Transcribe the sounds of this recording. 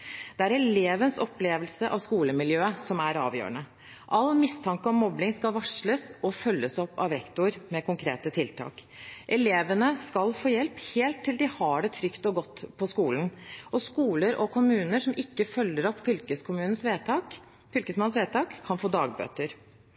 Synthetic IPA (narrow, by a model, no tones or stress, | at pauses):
d̪̥ɛæɾɛleːʋənsɔpːleːʋəlsəʔɑ̰ʋskuːləmɪljøːəsɔmæɾɑ̰ːʋjø̰ːɾəɳə | ʔɑlːmɪst̪ʰɑŋkəɔmːɔblɪŋskɑlʋɑʂɭəsɔfœlːəsɔpːɑ̰ʋɾɛkt̪ʊɾmɛkʊŋkʰɾeːt̪ət̪ʰɪlt̪ʰɑ̰ːk | ʔɛleːʋənəskɑlfoːjɛlpheːlt̪ʰːɪld̪ɪhɑɖɛt̪ʰɾʏkt̪ɔɡɔt̪ːpʰɔskuːlnʔɔskuːləɾʔɔkʰʊmʉːnəʂɔmʔɪkːəfœlːəɾɔpːfʏlkəskʰʊmʉːnənsʋeːt̪ʰɑːk | fʏlkəsmɑnsʋeːt̪ʰɑːkʰːɑnfoːd̪ɑːɡ̚bø̰ːt̪əɾ